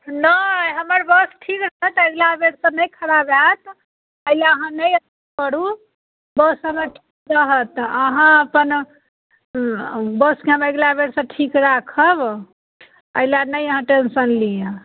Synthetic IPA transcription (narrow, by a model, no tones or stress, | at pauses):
naɦəməɾbəsʈʰikɾəɦət̪eɡlabeɽsə̃nəjkʰəɾabat̪ | əjleəɦãnəjət̪ | pəɽu | bəsɦəmeʈʰi̥kɾəɦət̪əɦãəpən | bəskeɦəmeeɡlabeɽsə̃ʈʰikɾakʰəb | ə̰ilanəjəɦãʈensənlije